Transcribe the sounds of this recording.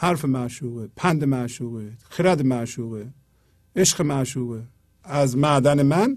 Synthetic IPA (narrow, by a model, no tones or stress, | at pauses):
haɾfɨmaːʃuːʁɨpʰand̪ɨmaːʃuːɣɨxʰiɾad̪ɨmaːʃuːɣɨ | eʃqɨmaʃuːɣɨ | azmaːd̪anɨman